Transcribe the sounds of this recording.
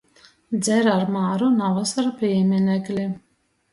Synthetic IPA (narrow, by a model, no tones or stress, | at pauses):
d̪zɛɾaɾmaːɾunavasaɾpʲiɛmʲinʲɛklʲi